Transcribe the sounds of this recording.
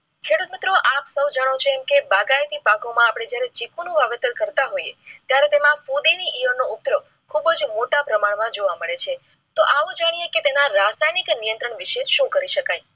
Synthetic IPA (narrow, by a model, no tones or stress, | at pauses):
kʰeɽut̪mɪt̪ɾoʔapsəwd͡ʒəɽ̃ot͡ʃʰeɛmkebaɡajt̪ipakomãːpɽ̃ed͡ʒjaɾet͡ʃikunũʋaʋet̪əɾkəɾt̪aɦoiet̪jaɾet̪emãfud̪iniʔiʋənːout̪ɾə | kʰubəd͡ʒmoʈapɾəmaɽmãd͡ʒoʋaməɭet͡ʃʰe | t̪oʔaʋũd͡ʒaɽ̃ijeket̪enaɾasajniknijənt̪ɾəɳʋiʃeʃũkəɾiʃəkaj